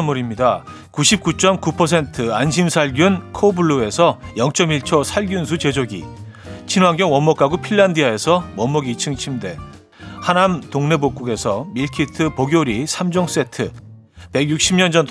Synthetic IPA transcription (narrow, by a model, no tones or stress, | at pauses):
muɾimɲida | kuɕʰip̚k͈ut͡ɕ͈ʌmkupʰʌs̬ʰe̞ntʰɯanɕ̬ʰimsʰaɭɡjunkʰobuɭːoe̞sʰʌjʌŋt͡ɕ͈ʌmiɭt͡ɕʰʌsʰaɭɡjunsʰut͡ɕe̞d͡ʑoɡḭ | t͡ɕʰinwaŋɡjʌŋwʌmːʌk͈ʰaɡopʰiɭːandiae̞sʰʌwʌmːʌɡit͡ɕʰɯŋt͡ɕʰimde̞ | hanamtoŋnebok͈uɡe̞sʰʌmiɭkʰitʰɯpoɡjoɾisʰamd͡ʑoŋs͈e̞tʰɯ | pe̞ɡjuk̚ɕ͈ʰimɲʌnd͡ʑʌnt